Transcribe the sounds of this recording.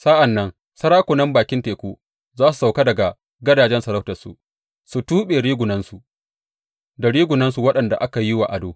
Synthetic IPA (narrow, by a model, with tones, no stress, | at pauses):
sa˦ʔa˨nːɐ˦ŋ | sɐ˦ɾaː˦kʷo˨nɐ˦mbaː˨kʲɪ˦nteː˨kʷuː˦ | zaː˦su̥˨sa˨ka˦dɐ˨ɡa˨ | ɡɐ˦daː˨d͡ʒɛ˦nsɐ˨ɾɐ˦wtɐ˨sṵ˨ | su˨tuː˦ɓeː˨ɽiː˦ɡʷʊ˨nɐ˦nsu˨ | da˨ɽiː˦ɡʷʊ˨nɐ˦nsu˨wɐ˦ɗɐ˨nda˨ʔa˦ka˨ji˦wa̰˨ʔa˨doː˨